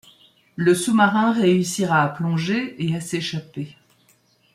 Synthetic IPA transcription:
ləsumaʁɛ̃ʁeysiʁaːplɔ̃ʒeeaseʃape

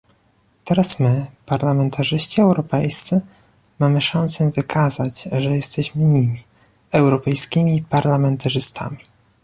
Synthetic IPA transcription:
t̪ɛɾasmɘpaɾlamɛnt̪ʰaʐɘɕt͡ɕiɛwɾɔpɛjst̪sɘ | mamɘʂansɛvɘkʰazat͡ɕʐɛjɛst̪ɛɕmɘɲimʲi | ɛwɾɔpɛjskʲimʲipaɾlamɛnt̪aʐɘst̪ʰa̰mʲi

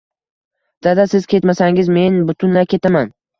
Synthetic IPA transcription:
d̪̥ad̪asɪz̥kʲʰe̞t̪masaŋɪzme̞nbʊt̪ʰʊnlajkʲe̞t̪ʰaman

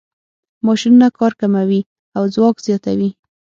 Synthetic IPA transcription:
mɑʃinunakɑɾkamawi | awzwɑkz̥jɑt̪awi

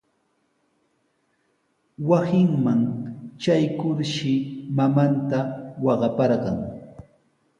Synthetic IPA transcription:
wasɪŋmaŋt͡ʃajkʊɾʃɪmamant̪awɑɢɑpɑɾɢɑŋ

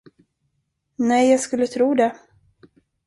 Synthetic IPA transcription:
nɛjːɑːɡskɵlːət̪ʰɾuːd̪ɛ

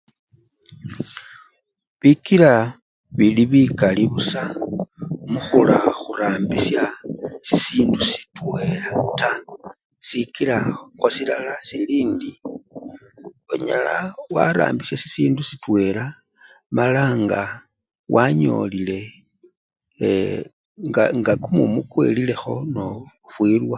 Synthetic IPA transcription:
βikila | βiliβikaliβusa | muxula̰xuɾaːmbisjasisiːndusi̥twe̞lata | sikilaxwasilalasiliːndi | oɲa̰lawa̰ɾa̰ːmbisjasi̥siːndusitwe̞la | malaŋɡa | wʔaɲo̞̰lile̞ | ŋɡaŋɡakumumukwe̞̰lile̞xo̞no̞ | fwiːlwa

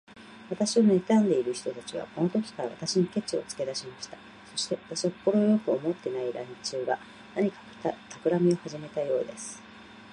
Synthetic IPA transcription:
β̞at̪aɕione̞t̪ãnd̪e̞iɾɯ̟çi̥t̪o̞t̪at͡ɕiβ̞a̰ko̞no̞t̪o̞kʲi̥kaɾaβa̰t̪aɕinike̞t͡ɕio̞̰t͡sɨ̥ke̞d̪aɕimaɕi̥t̪ḁ | so̞ɕi̥t̪e̞βat̪aɕiḁpːo̞ɾo̞jo̞kɯo̞mo̞t̪ːe̞naiɾãɲt͡ɕɨːɡa | naɲ̟ika | t̪ʰakɯ̟ɾamʲio̞haʑime̞t̪ajo̞̰ːd̪e̞sɨ̥

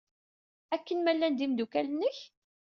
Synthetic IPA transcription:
ækːənmælːænd̪imd̪ukælənːəç

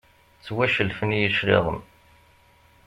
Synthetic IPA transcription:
t͡sːwæʃəlfənjəʃɾḭʁəm

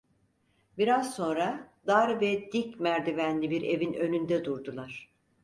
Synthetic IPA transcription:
biɾaz̥so̞nɾad̪aɾvɛd̪̥icmæɾd̪ivænlʲibiɾe̞vinø̞nynd̪ɛd̪uɾd̪ulˠaɾ̥

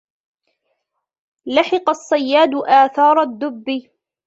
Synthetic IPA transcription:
laħɪqɑsˤːɑjːaːd̪ʊʔaːθɑːɾˤɑd̪ːʊbːi

